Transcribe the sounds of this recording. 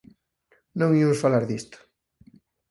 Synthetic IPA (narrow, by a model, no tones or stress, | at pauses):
nõŋimʊsfalaɾðist̪ʊ̥